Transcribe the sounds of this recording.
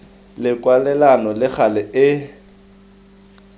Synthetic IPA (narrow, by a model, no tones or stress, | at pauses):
lɪkʼwalɛlanɔlɪk͡xʰalɪʔɪ